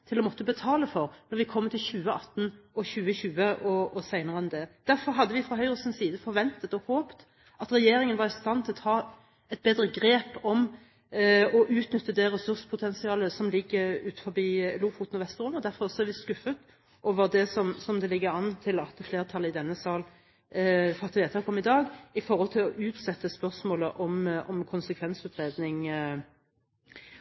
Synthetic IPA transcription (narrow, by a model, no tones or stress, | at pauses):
t̪ʰɪlɔmɔt̪ːəbət̪ʰɑːləfɔɾnɔɾʋɪkʰɔmːət̪ʰɪlçʉːəɑt̪ːnɔçʉːəçʉːəʔɔɔsæɪnəʁəɛnd̪ɛd̪̥æɾfɔɾɦɑd̪ːəʋɪfʁɑɦœʏʁəsɪnsiːd̪əfɔɾʋɛnt̪ət̪ɔhoːpt̪ | ɑt̪ɾɛjeːɾɪŋənʋɑɾɪst̪ɑnːt̪ʰɪlɔt̪ʰɑː | ɛt̪̚beːd̪ɾəɡɾeːpɔm | ɔʔʉːt̪nʏt̪ːəd̪ɛɾɛsʉɾspʰʊt̪ʰɛnsɪɑːləsɔmlɪɡːəɾʉːt̪̩fɔɾbiːluːfuːt̪nɔʋɛst̪əʁʊmɔd̪æɾfɔʁsɔæɾʋɪskʉfət̪ | ʔoːʋəʁd̪ɛsɔmsɔmd̪ɛlɪɡːəɾɑnːt̪ʰɪlɑt̪fleːʁt̪ʰɑlːəɪd̪ɛnːəsɑːl | fɑt̪əʋeːt̪ʰəhɑkʰɔmːəɪd̪ɑːɡɪfɔʁhɔlt̪ʰɪlɔʔʉːt̪sɛt̪ːəspœʁsmoːləʔɔmɔmkʰʊnsəkʰʋɛnsʉːt̪ʁeːd̪nɪŋ